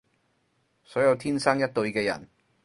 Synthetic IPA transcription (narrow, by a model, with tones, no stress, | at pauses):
sɔː˨˥jɐ˧wt̪ʰiː˥nsɐ˥ŋjɐ˥t̚t̪ɵ˧ɥkɛː˧jɐ̰˨˩n